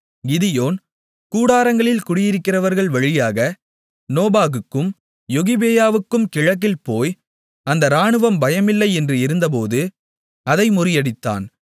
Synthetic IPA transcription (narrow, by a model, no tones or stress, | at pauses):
ɡɪðɪjoːn | kuːɽaːɾɐŋɡɐɭɪlkʊɽɪjɪɾɯkːɪrɐʋɐɾɣɐɭʋɐɻɪjaːɣɐ | noːbaːɣɯkːɯm | jɔɣɪbeːjaːʋɯkːɯmkɪɻɐk̬ːɪlpoːj | ɐnd̪ɐɾaːɳɯʋɐmbɐjɐmɪlːɐɪɛndrɯɪɾɯnd̪ɐp̬oːðɯ | ɐðɐɪmʊɾɪjɐɽɪt̪ːa̰ːn